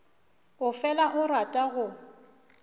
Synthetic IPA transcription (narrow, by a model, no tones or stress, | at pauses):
ʊfɛlaʔʊratʼaɣʊ